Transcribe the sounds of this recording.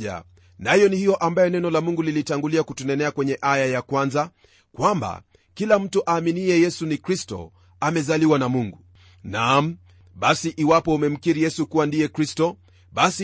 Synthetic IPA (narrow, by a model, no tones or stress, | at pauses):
a̰ | najɔnihijɔʔambajɔnɛnɔlamuŋɡulilitaŋɡuliakutunɛnɛakwɛɲɛʔajajakwanza | kwamba̰ | kilam̩tuʔaːminiɛjɛsunikɾistɔ̰ | amɛzaliwanamuŋɡu | nam̩ | ɓasiʔiwapɔumɛm̩kiɾijɛsukuwandijɛkɾistɔ | ɓasi